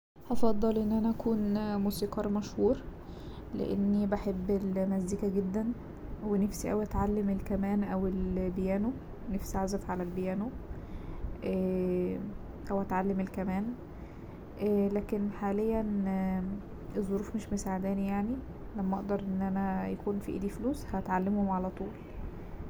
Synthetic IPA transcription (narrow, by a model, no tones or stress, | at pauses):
hɑfɑd̪ˤːɑlʔenːʔænæʔækuːnmuːsiːqɑɾˤmæʃhuːɾ | lḛʔḛnːibaħebːelmæzd̪iːkæɡed̪ːæn | wenefsiʔæwʔæt̪ʕalːemelkæmæːnʔæwelbejæːno | nefsiaʕzæfʕalælbejæːno | ʔæː | ʔæwʔæt̪ʕalːemelkæmæːn | ʔlæːkenħaːlejːæn | ʔezˤːoɾuːfmeʃmosaʕed̪æːnijaʕni | læmːæʔɑʔd̪ɑɾˤʔenːʔænæjækuːnfḭʔḛːd̪ifluːshæt̪ʕalːemhomʕalæt̪ˤuːl